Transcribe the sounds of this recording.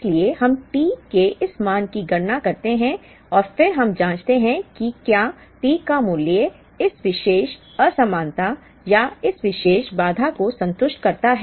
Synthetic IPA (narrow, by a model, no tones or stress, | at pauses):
ɪsliehɐmʈiːkeʔɪsmaːnkiɡɐɽnakɐɾt̪eɦɛ̃ | ɔːɾfɪɾɦɐmd͡ʒãːt͡ʃt̪eɦɛ̃kikjaː | ʈiːkamʊljə | ɪsʋɪʃeːʃ | əsɐmãːnt̪a | jaɪsʋɪʃeːʃbaːd̪ʱakosɐ̃nt̪ʊʃʈkɐɾt̪aɦɛː